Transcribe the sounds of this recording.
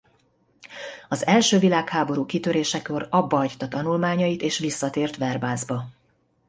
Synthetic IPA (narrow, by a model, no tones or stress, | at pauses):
ɒzɛlʃøːvilaːkhaːbo̞ɾuːkit̪øɾeːʃɛkø̞ɾɒbːɒɒct̪ɒt̪ɒnulmaːɲɒjit̪eːʃʋisːɒt̪eːrt̪ʋɛrbaːzbɒ